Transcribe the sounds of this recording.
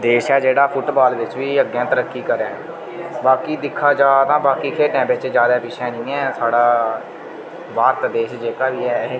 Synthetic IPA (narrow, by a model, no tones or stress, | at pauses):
d̪eːʃɛːd͡ʒeːɽaːpʰʊʈbaːlʋɪt͡ʃʋiːəɡːɛ̃ːt̪əɾəkːiːkəɾɛː | baːkiːd̪ɪkʰːaːd͡ʒaːt̪ãːbaːkiːkʰeːʈɛ̃ːbɪt͡ʃd͡ʒjaːd̪aːpɪʃʰɛ̃ːnĩːɛ̃ːsaːɽaː | ʋaːɾt̪d̪eːʃd͡ʒeːkaːʋiːɛː